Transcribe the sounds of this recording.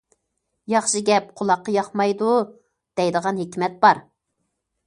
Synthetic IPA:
jɑχʃiɡʲɛp̚qʰʊlˠɑqːɑjɑχmɑjd̪u | d̪̥ɛjd̪əʁɑnɦekʲmɛt̪̚b̥ɑɾ

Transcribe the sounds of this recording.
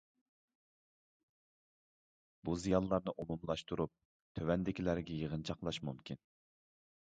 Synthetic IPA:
buzijɑnlˠɑɾnɨʔomumlˠɑʃt̪uɾup̚ | t̪ʰøwɛnd̪ɪkʲʰilæɾɡʲɛjəʁənt͡ʃʰɑqlˠɑʃmumkʲʰin

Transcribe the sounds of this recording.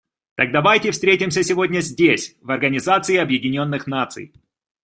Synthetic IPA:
t̪aɡ̚d̪ɐvajtʲɪfst̪ɾʲetʲɪmsʲəsʲɪvo̞dʲnʲəzʲdʲesʲvɐrɡənʲɪzat̪sɨɪɐbjɪdʲɪnʲo̞nːɨxnat̪sɨ̰j

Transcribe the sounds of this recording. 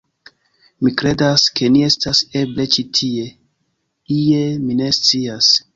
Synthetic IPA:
mikɾe̞daske̞nie̞stase̞ble̞t͡ʃitʰie̞ | ie̞mine̞st͡sias

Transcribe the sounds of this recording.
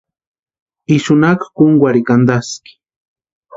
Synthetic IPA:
iʃʊnakḁkʊŋɡwaɾikand̪askɪ̥

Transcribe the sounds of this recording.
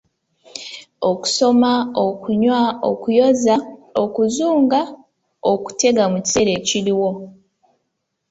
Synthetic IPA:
oku̥so̞maokuɲwao̰kujo̞zaokuzuːŋɡa | oku̥te̞ɡamuci̥se̞ɾe̞ːciɾiwo̞

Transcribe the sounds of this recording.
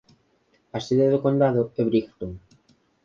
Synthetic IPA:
aseðeðokond̪aðʊɛβɾikt̪oŋ

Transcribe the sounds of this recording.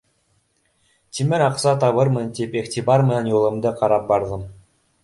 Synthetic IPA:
t̪ʲimʲɘ̆ɾʲɑqsɑt̪ɑβɤ̆ɾmɤ̆nt̪ʲipeχtʲibɑrmɤ̆njulˠɤ̆md̪ɤqʰɑɾɑp̚bɑɾðɤ̆m

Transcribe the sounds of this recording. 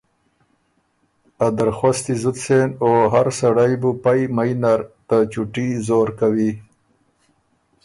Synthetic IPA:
ad̪aɾxost̪izʊt̪senoɦaɾsaɽajbupajmajnaɾt̪at͡ʃuʈizoːɾkawi

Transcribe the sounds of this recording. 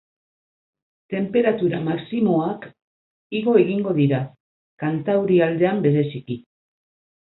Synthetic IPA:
t̪e̞mpe̞ɾat̪uɾamaksimo̞ak | iɣo̞e̞ɣiŋɡo̞ðiɾa | kant̪awɾiald̪e̞ambe̞ɾe̞siki

